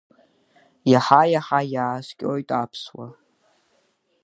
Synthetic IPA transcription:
jaħajaħajaːskʲʼojtʼapʰswa̰

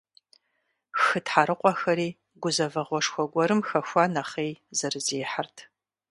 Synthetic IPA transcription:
xɨtħaɾɨqʷʼɔxɐɾiː | ɡʷʊzɐvɐʁʷɔʂxʷɔɡʷɔɾɨmxɐxʷanɐχeːjzɐrɨzeːħartʰ

